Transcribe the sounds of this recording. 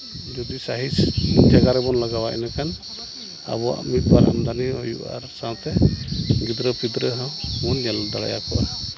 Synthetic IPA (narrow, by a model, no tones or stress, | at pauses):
d͡ʒɔd̪isaɦisd͡ʒaɡaɾɛbɔnlaɡawaʔɛ̰nakan | a̰bɔa̰mit̪̚baɾa̰md̪aniɦɔjṵʔa̰ɾsãwt̪ɛɡid̪ɾɔpid̪ɾəɦɔmɔnːɛld̪aɽa̰ja̰kɔʔa